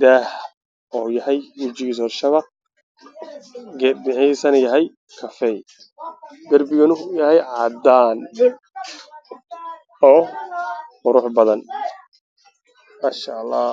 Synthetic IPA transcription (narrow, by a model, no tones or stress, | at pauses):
d̪aːh | ɔːjɐhɛjwʊt͡ʃɪɣiːs̬ɔːrʃɐβɑq̚ | ɡɛbɪʕɪsɐnɐjɐɦɛj | kʰɐfɛj | ɡɐrbɪɣɐnʊjɐɦɛjʕɑd̪aːn | ɔː | qʊɾʊħbɐðɐn | maːʃalːɑː